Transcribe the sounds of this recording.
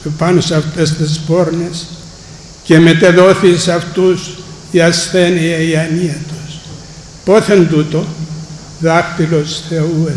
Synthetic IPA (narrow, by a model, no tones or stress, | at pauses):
epanosɐft̪est̪ispo̞ɾnes | cemet̪eðo̞θisɐft̪us | iasθeniɐiɐniɐt̪os | po̞θend̪ut̪o | ðɐxt̪ilo̞sθeu